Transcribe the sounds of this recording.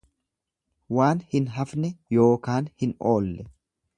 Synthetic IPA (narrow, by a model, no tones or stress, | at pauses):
waːnhɪnɦɐfnɛjo̞ːkaːnhɪno̞ːlːɛ